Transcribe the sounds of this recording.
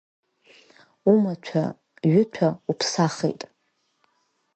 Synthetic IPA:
umat͡ʃʷʰa̰ | ɥʊt͡ʃʷʰaupʰsaχḛjtʼ

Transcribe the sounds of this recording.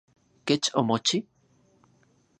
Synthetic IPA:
ket͡ʃomot͡ʃi

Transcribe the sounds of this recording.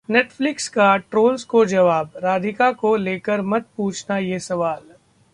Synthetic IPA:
neːʈflɪkskaʈɾoːlskod͡ʒɐʋaːbɾaːd̪ɪkakoleːkəɾmɐt̪̚puːt͡ʃʰnajesɐʋaːl

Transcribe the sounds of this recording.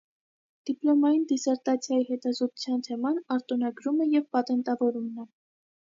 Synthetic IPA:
d̪̥iplɔmɑjind̪isɛɾt̪ɑt͡sʰjɑjihɛt̪ɑzɔt̪u̥t͡sʰjɑnt̪ʰɛmɑnɑɾt̪ɔnɑɡɾumɛjɛvpɑt̪ɛnt̪ɑvɔɾumnɛ

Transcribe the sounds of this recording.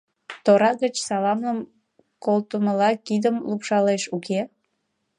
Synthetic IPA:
t̪oɾɑɣət͡ɕsɑlɑmləm | kolt̪uməlɑkid̪əmlupʃɑleʃuke

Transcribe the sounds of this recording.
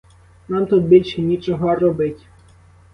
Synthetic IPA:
nɑmt̪ut̪̚bʲilʲʃɛnʲit͡ʃɔɦɔrɔbɪtʲ

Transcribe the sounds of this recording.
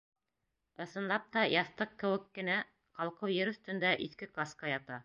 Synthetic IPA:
ɤ̆θɤ̆nlˠɑp̚t̪ɑjɑθt̪ɤqːɘ̆wɘ̆kːɘ̆næ | qɑlˠqɤwjɘɾɵ̆θt̪ɵ̆nd̪æʔiθkɘkaskɑjɑt̪ɑ

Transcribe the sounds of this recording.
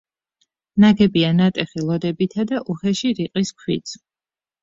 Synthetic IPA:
naɡɛbianat̪ʼɛχilˠɔd̪ɛbit̪ʰad̪aʔuχɛʃiɾiqʼiskʰwḭt̪s

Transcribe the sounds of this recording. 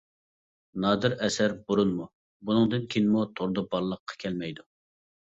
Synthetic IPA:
nɑːd̪ɨɾɛsæɾbuɾunmu | bunɨŋd̪ɨnkʲʰinmut̪ʰoɾd̪ɑbɑɾlˠəqʰːɑ̥kʲʰɛlmɛjd̪u

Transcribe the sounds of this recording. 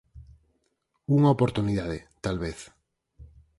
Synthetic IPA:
uŋaopoɾt̪uniðað̞et̪alβeθ

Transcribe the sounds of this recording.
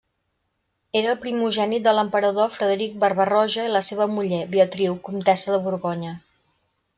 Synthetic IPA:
eɾəːlˠpɾimuʒɛnid̪ələmpəɾəðofɾəðəɾik̚bərβərɔʒəiləseβ̞əmuʎeβiət̪ɾiwkumt̪ɛsəðəβuɾɣɔɲə

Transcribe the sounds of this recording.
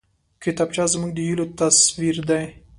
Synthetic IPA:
kɪt̪ɑb̚t͡ʃɑzmuɡ̚d̪əjilot̪aswiɾd̪aj

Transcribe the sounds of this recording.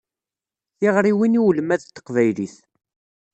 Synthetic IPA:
θiʁɾiwiniwlmæðt̪ːə̥qvæjliθ

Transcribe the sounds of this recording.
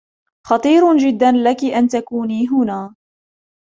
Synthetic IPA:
xɑt̪ˤiːɾd͡ʒɪd̪ːanlakɪʔant̪akuːniːɦʊnaː

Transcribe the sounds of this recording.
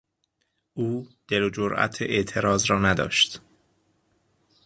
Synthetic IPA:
ʔuːd̪̥e̞lod͡ʒoɾʔæ̰t̪ʰeʔeʔt̪ʰe̞ɾɒːzɾɒːnæd̪ɒ̰ːʃt̪

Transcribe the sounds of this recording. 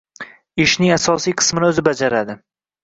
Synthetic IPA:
ɪʃnɪŋasɒsijqʰɨ̥smɪnɪɵzɪbad͡ʒaɾad̪ɪ

